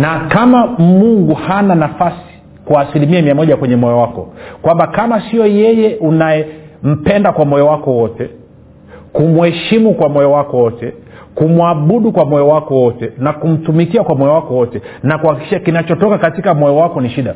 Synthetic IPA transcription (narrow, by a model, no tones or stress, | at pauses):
nakamamuŋɡuhananafasi̥ | kwaːsilimiamiamɔʄakwɛɲɛmɔjɔwakɔ̰kwambakamasijɔjɛjɛʔunajɛm̩pɛndakwamɔjɔwakɔwɔtɛ | kumuhɛʃimukwamɔjɔwakɔwɔtɛ | kumwaɓuɗukwamɔjɔwakɔwɔtɛnakum̩tumikiakwamɔjɔwakɔwɔtɛnakuhakikiʃakinat͡ʃɔtɔkakatikamɔjɔwakɔniʃiɗa